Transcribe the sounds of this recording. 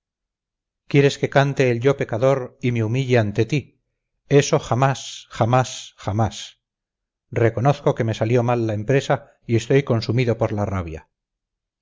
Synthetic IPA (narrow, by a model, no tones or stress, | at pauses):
kje̞ɾe̞ske̞kant̪e̞ːlʎo̞pe̞kaðo̞ɾimeumiʎeant̪e̞t̪i | e̞so̞χamasχamasxamas | re̞ko̞no̞θko̞ke̞me̞saljo̞malːaempɾe̞sa | ie̞st̪o̞jko̞nsumiðo̞po̞ɾlaraβja̰